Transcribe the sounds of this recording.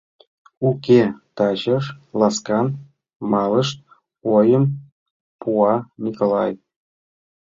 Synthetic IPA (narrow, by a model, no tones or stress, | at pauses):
ukʲet̪ɑt͡ɕəʂlɑskɑn | mɑləʃt̪̚ | ojəm | puɑnʲikolˠɑj